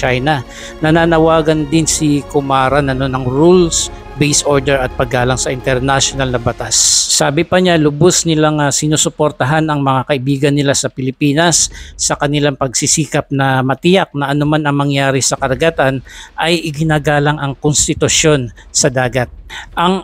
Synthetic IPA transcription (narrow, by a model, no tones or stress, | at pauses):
t͡ʃajnɐ | nɐnaːnɐwaːɡɐnd̪ɪnsɪkʊmaːɾɐnɐnonɐŋɹuls | bɛjsʔo̞ɹd̪ɛɹɐt̪̚pɐɡaːlɐŋsɐʔɪnt̪ɛɾnaʃonalnɐbɐt̪asːaːbɪpɐɲalʊbosnɪlaŋɐsɪnuːsʊpoɾt̪ɐɦanɐŋmɐŋakɐʔɪbiːɡɐnːɪlasɐpɪlɪpiːnɐsːɐkɐnɪlaŋpɐɡsisiːkɐp̚nɐmɐt̪ɪjak̚nɐʔɐnomanɐŋmɐŋjaːɾɪsɐkɐɾɐɡat̪anʔɐjʔɪɡɪnaːɡaːlɐŋɐŋkonst̪ɪt̪ʊʃjo̞nsɐd̪aːɡɐt̪̚ʔɐŋ